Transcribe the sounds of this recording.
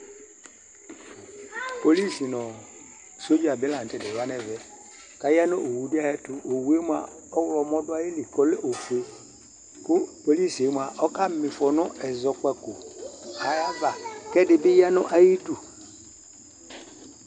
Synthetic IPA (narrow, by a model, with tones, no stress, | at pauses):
po˨li˦si˨nɔ˨ | so˦d͡ʒi˦a˨bɪ˦la˨n̩˨tɛ˨dɛ˨ɾa˦nɛ˨vɛ˨ | ka˨ja˦no˦ʔo˨wu˨di˦a˦jɛ˦tʊ˦o˨wu˨˦e˦mʷ˦a̰˨ | ɔ˦wlɔ˨mɔ˦dʊ˦a˦ji˦li˨kɔ˨˦le˦ʔo˨fe˦ | kʊ˦po˨li˦se˨˦mʷ˨a˨ʔɔ˦ka˦mɪ˨fɔ˨nɔ˦ʔɛ˨zɔ˨kɛ˨ko˨a˨ɾa˦va˨kɛ˦dɪ˨bɪ˦ja˦nɔ˦ʔa˨ji˦du˨